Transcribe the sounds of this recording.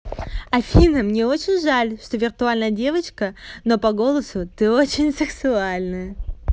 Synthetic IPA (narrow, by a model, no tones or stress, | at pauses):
ɐfʲinəmnʲe̞o̞t͡ɕɪnʲʐalʲʂt̪o̞vʲɪrt̪ʊalʲnəjədʲe̞vət͡ɕkəno̞pɐɡo̞lˠəsʊt̪ɨo̞t͡ɕɪnʲsɨksʊalʲnɨjə